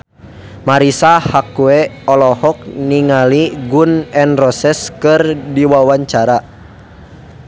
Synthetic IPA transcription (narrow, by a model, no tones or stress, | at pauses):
maɾisahakuɛɔlɔhɔk̚niŋaliɡunɛnrɔsɛskɨrdiwawaɲt͡ʃaɾa